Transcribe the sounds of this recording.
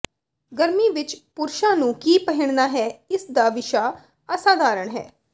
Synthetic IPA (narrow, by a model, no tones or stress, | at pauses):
ɡəɾmiːʋɪt͡ʃpʊɾʃãːnũːkiːpəɦɪɳ̃d̪aːɦɛːɪsd̪aːʋɪʃaː | əsaːd̪aːɾəɳɦɛ̰ː